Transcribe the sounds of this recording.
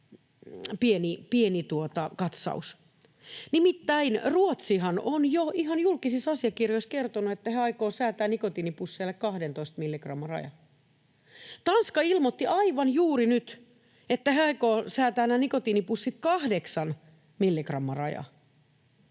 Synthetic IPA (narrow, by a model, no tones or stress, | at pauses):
pienipienit̪uot̪ɑkɑt̪sɑ̰us | nimit̪ːæinruot̪sihɑnonjoihɑnjulkisisɑsiɑkirjoiskert̪onuet̪ːæheæɑikoːsæːt̪æːnnikot̪iːnipusːelːekkɑhdent̪oist̪milːikrɑmːɑrɑ̰jɑ̰ | t̪ɑnskɑilmot̪ːiʔɑiʋɑnjuːrinyt̪ | et̪ːæheæɑikoːsæːt̪æːnːænikot̪inipusːit̪kɑhdeksɑn | milːikrɑmːɑrɑ̰jɑ̰